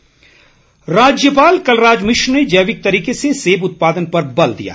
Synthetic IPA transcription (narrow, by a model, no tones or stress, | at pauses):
ɾaːd͡ʒjəpaːlkɐlɾaːd͡ʒmɪʃɾned͡ʒɐjʋɪk̚t̪ɐɾiːkeseseːbʊt̪̚paːd̪ənpɐɾbɐld̪ḭja̰ː